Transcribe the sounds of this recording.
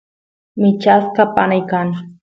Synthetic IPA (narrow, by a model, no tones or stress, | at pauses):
mɪt͡ʃaskapanajkaŋ